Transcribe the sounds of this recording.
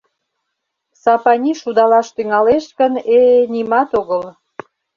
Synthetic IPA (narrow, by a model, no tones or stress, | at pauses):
sɑpɑnʲiʃud̪ɑlɑʃt̪yŋɑleʃkənenimɑt̪oɣəl